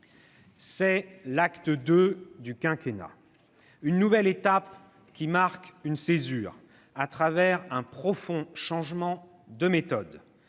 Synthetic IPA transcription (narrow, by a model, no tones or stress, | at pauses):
sɛlakt̪əd̪ød̪ykɛ̃kʲena̰ | ynːuvɛlet̪ap | kʲimaʁkynsezyːʁ | at̪χavɛʁɛ̃pχɔfɔ̃ʃɑ̃ʒmɑ̃ | d̪əmet̪ɔd̪